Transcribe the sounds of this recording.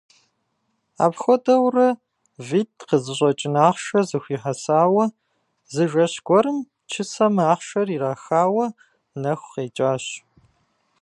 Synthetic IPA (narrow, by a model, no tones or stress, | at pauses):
a̰ːpxʷɔdɐwrɐ | viːt̚qəzɨɕ̬ʷʼɔt͡ʃʼɪnaːχʃɐzɨxʷiːħɐsaːwɐ | zɨʒɐɕɡʷɔɾɨm | t͡ʃʰɨsɐmɨaːχʃɐriːraːxaːwɐ | nɐxʷqeːt͡ʃʼaːɕ